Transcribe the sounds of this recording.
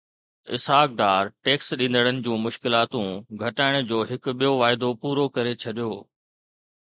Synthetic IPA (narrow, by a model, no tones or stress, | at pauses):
ɪ̰sɦaːk̚ɖaːɾʈeːksɗĩːnd̪əɽ̃ənɪ̆d͡ʑũːmʊʃkɪlaːt̪ũɡʱɐʈaːɪɽ̃ʊ̆d͡ʑoːɦɪkʊ̆ɓijoʋaːɪd̪opuːɾokɐɾet͡ɕʰɐɗijoː